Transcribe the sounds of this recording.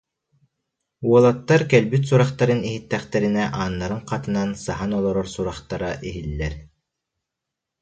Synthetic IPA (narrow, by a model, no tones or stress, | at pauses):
uɔlˠat̪ːaɾkɛlbyt̪suɾaχt̪aɾɯniɦit̪ːɛχt̪ɛɾinɛʔaːnːaɾɯŋqɑt̪ɯnansaɦanɔlˠɔɾɔɾsuɾaχt̪aɾaʔiɦilːɛɾ